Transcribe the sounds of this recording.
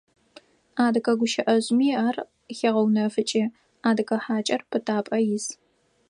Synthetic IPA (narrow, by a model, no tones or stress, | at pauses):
aːdɨkʰʼɐɡʷʊʃɐʔɐʑmiːaːr | xeʁɐwnɐfɨt͡ʃʼiː | aːdɨkʼɐħaːt͡ʃʼɐrpʰɨtʰaːpʼɐjɪz